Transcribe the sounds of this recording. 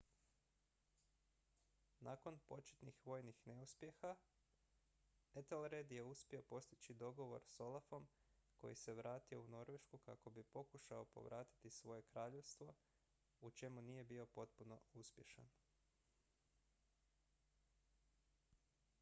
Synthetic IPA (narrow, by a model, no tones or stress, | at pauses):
nako̞npo̞t͡ʃe̥t̪nixʋo̞jnixne̞uspjexa | et̪elɾed̪je̞uspio̞po̞st̪it͡ʃid̪o̞ɡo̞ʋo̞̰ɾso̞lafo̞mko̞̰jise̞ʋɾaːt̪io̞uno̞ɾʋe̞ʃkuka̰ko̞bipo̞kuʃao̞po̞̰ʋɾʔaːt̪i̥t̪isʋo̞je̞kɾaːʎe̞ʋst̪ʋo̞ | ut͡ʃe̞munije̞bio̞po̞t̪puno̞̰uspje̞ʃa̰n